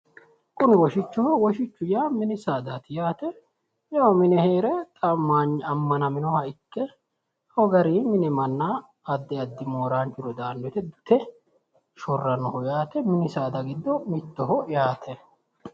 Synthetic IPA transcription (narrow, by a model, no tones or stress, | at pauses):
kʼʊnɪwɔʃɪt͡ʃːʊhɐwɔʃɪt͡ʃːʊjaːmɪnɪsaːd̪at̪ɪjaːt̪ɛ | jɐwɔmɪnɛheːɾɛt̪ʼɐmːaɲɐmːɐnɐmɪnɔhɐɪkːɛ | hɔɡɐɾiːmɪnɛmɐnːa | ɐd̪ːɛɐd̪ːɪmoːɾaːnt͡ʃʊɾɔd̪aːnːɔt̪ɛd̪ʊt̪ɛ | ʃɔrːɐnɔhɔjaːt̪ɛmɪnɪsaːd̪ɐɡɪd̪ːɔmɪt̪ːɔɦɔjaːt̪ʰɛ